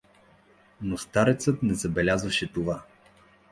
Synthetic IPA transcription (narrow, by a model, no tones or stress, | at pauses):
nost̪aɾɛt̪sɤt̪nɛzɐbɛlʲazvəʃɛt̪ova